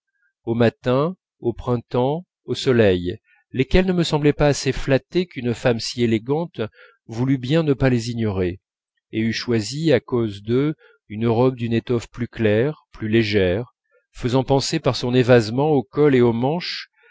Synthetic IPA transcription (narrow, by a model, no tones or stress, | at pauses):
omat̪ɛ̃ | opχɛ̃t̪ɑ̃ | osɔlɛj | lekʲɛlnəməsɑ̃blɛpaːseflat̪ekynfamsieleɡɑ̃t̪ | vulybjɛ̃nəpaleziɲɔʁe | eyʃwaziakozd̪ə | ynøʁɔb̚d̪ynet̪ɔfplyklɛʁplyleʒɛʁ | fəzɑ̃pɑ̃sepaʁsɔ̃nevazmɑ̃okɔleomɑ̃ʃ